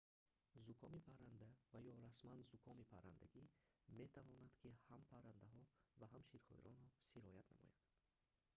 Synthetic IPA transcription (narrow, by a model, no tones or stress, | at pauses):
zukʰɔmipʰaɾand̪avajɔɾasmanzukʰɔmipʰaɾa̰nd̪a̰ɡime̞t̪ʰavɔnad̪̥kʰihampʰaɾand̪aɦɔvaɦamʃiɾχɔ̰ḭɾɔnɾɔsiɾɔjat̪namɔ̰ja̰d̪